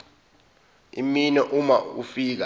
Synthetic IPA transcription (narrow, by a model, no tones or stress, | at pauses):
ḭminɛʔumaufiːk̬a